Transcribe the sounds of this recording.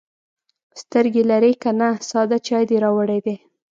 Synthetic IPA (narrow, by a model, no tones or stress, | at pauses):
st̪əɾɡelaɾekanasɑd̪at͡ʃɑjd̪eɾɑwəɽed̪e